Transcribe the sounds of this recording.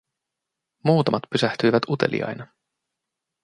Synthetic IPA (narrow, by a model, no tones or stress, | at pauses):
muːt̪ɑmɑt̪pysæht̪yjʋæt̪ut̪e̞̰lʔḭjɑ̰jnɑ